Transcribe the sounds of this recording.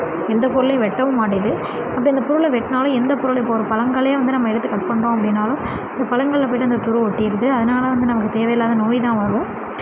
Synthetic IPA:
ɛnd̪ɐpʊɾɯɭɐj̃ʋɛʈːɐʋɯmaːʈɪjɐðɯ | ɐpːɐɪnd̪ɐpʊɾɯɭɐʋɛʈːnaːlʊ̃ɛnd̪ɐpʊɾɯɭɪpːoɔɾɯpɐlɐŋɡɐɭɐjɐʋɐnd̪ɯnɐmːɐɛɽɯt̪ːɯkɐʈ̚pɐɳɾõːɐp̬ːɐɽɪnːaːlʊ̃ | ɪnd̪ɐpɐlɐŋɡɐɭɐp̬oːjɪʈːɯɐnd̪ɐt̪ʊɾɯɔʈːɪjɪɾɯðɯɐðɐnaːlɐʋɐnd̪ɯnɐmɐk̬ːɯt̪eːʋɐjɐlːaːðɐnoːjt̪ãːʋɐɾɯʋʊ̃

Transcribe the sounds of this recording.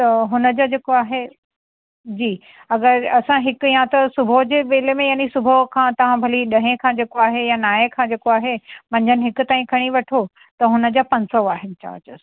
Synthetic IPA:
t̪ɐɦʊnəd͡ʑaːd͡ʑeːkoaːɦe | d͡ʑiː | ɐɡəɾɐsãɦɪkijãt̪ɐsʊbʱəɦd͡ʑeːʋeːlemẽjaːnisʊbʱəɦkʰãːt̪ɐʋ̤ãbʱɐliɗɐɦẽkʰãːd͡ʑeːkoaːɦejanaːẽkʰãːd͡ʑeːkoaːɦemɐ̃ɲd͡ʑʱənɪɦɪkʊ̆t̪aːĩkʰɐɽ̃iʋɐʈʰo | t̪ɐɦʊnə̆d͡ʑaːpɐ̃ɲsɔaːɦɪnɪ̆t͡ɕa̰ːt͡ɕəs

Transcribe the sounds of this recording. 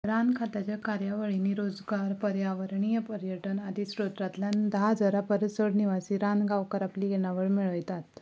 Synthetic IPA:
ɾankʰat̪at͡ɕakaɾjaʋəɭiniɾod͡zɡaɾpəɾjaʋəɾɳijəpəɾjəʈənad̪ʱiɕɾot̪ɾat̪ljand̪ɦad͡zəɾapəɾəsəɽniʋasiːɾanɡaʋkəɾapliːjeɳ̃aʋəɭmiɭəjt̪at̪

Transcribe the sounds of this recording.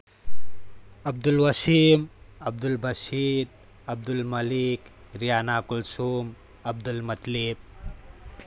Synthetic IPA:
ɐb̚d̪ulwɐsimɐb̚d̪ulbʱɐsit̪̚ | ɐb̚d̪ulmɐlik | ɾijanakulsum | ɐb̚d̪ulmɐt̪lip̚

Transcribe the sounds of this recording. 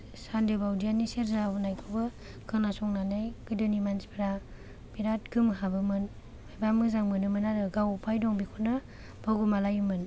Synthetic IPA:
sandebawdianiseɾzaɦunajkʰɯbɯ | kʰɯnasɔŋnanajɡ̥ɯdɯnimansi̥pʰɾa | biɾatɡɯmɦabɯmɯn | majbamɯzaŋmɯnɯmɯnaɾɯɡawpʰajdɔŋbikʰuna | b̥ʰaɡumalajɯmɯn

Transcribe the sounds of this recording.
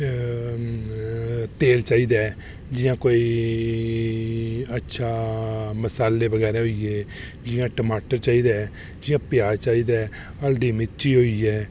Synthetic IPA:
t̪eːlt͡ʃaːiːd̪aː | d͡ʒɪjãːkoːiː | ətːʃʰaːməsaːlːeːbəɡɛːɾɛːɦoiɛː | d͡ʒɪjãːʈəmaːʈəɾt͡ʃaːiːd̪aː | d͡ʒɪjãːpjaːt͡ʃaːiːd̪ɛː | əld̪iːmɪt͡ʃiːɦoːiːɛː

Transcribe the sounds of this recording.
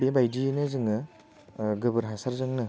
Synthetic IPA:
bibajdinɯzɯŋɯ | ɡɯbɯɾɦasaɾzɯŋnɯ

